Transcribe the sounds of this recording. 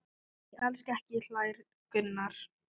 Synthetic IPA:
ʔɛlskɛhcɪl̥aːjɾ | kʏnːaɾ̥

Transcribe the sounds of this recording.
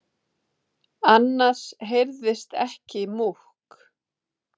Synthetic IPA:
anːḁsɦejɾðɪst̪ɛ̰hcɪmuhk

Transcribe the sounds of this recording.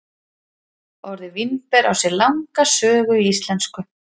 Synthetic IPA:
ɔwɾðɪvinpɛɾʔawsɛɾlawŋkasœːɣʏiist̪lɛnskʏ

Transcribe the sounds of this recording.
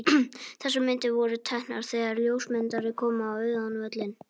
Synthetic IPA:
θɛsːʏmːɪnt̪ɪvɔɾʏt̪ʰahna̰ɾ̥θɛːɣaɾljoːwsmɪnt̪aɾɪkʰɔːmaːwœɥðanvœt̪lɪn

